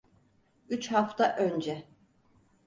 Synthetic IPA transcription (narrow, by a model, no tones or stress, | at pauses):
yt͡ʃhaft̪ʰaʔønd͡ʒɛ